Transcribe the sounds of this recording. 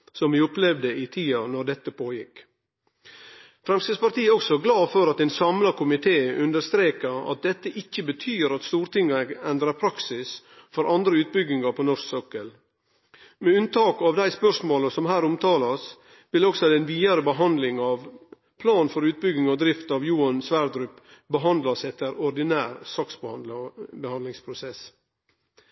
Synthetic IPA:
sɔmʋɪːʊplɛʋd̪əɪt̪ʰiːɑnɔɖ̪ɛt̪ːəpʰoːjɪk | fɾɛmst̪əspɑɾt̪iːɔksɔɡlɑːfɔɾɑt̪ɛːnsɑmlɑkʊmɪt̪ʰeːʉnd̪əɾst̪ɾeːkəɑ̰t̪̚d̪ɛt̪ːəʔɪçːəbət̪ʰyːɾɑt̪st̪uːɾt̪ɪŋːɑɛnd̪ɾɑɾpʰɾɑksɪs | fɔɾʔɑnd̪ɾəʉːt̪̚bʏɡɪŋɑpʰɔnɔʂsœkəl | mɛʉnt̪ʰɑːkɑʋd̪æɪspœʂmoːləsɔmhæːɾʊmt̪ʰɑːlɑs | ʋɪlɔksɔd̪ɛnʋiːɑɾəbəɦɑnd̪lɪŋɑʋ | pʰlɑːnfɔɾʉːt̪̚bʏɡɪŋɔd̪ɾɪft̪ɑʋjuːɑnsʋæːɾd̪ɾʉp | bəɦɑnd̪lɑsɛt̪ːəɾɔɾd̪ɪnæːɾsɑksb | bəhɑnd̪lɪŋspʰɾʊsɛs

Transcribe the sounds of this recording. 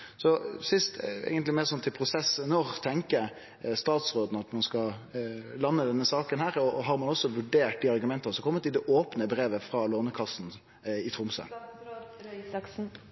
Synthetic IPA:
sɔsɪst̪ḛːɡənt̪lɪmeːɾsɔnt̪ʰɪlpʰɾʊsɛsnɔʁt̪ʰɛŋkəɾ | st̪ɑːt̪sɾoːd̪n̩ɑt̪mɑnskɑ | lɑnːəd̪ɛnːəsɑːkənhæːɾɔɦɑɾmɑnɔsːɔʋʉɖeːʈ̚d̪iːɑɾɡʉmɛnt̪ɑsɔkʰɔmːət̪ɪld̪ɛʔoːpnəbɾeːʋəfɾɑːloːnəkʰɑsn̩ | ɪt̪ʰɾʊmsə̰

